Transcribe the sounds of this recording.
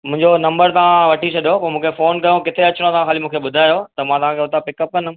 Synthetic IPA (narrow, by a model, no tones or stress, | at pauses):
mʊ̃ɦɪ̃ɲd͡ʑonɐ̃mbəɾt̪ɐʋ̤ãʋɐʈʰit͡ɕʰɐɗjopɐmũːkʰefoːnkɐjõkɪt̪ʰeɐt͡ɕʊɽ̃õt̪ɐʋãxaːlimũːkʰeɓʊd̪ʱaːjot̪ɐmãt̪ɐʋ̤ãkeɦʊt̪ʰapɪkɐp̚kɐnʊ̆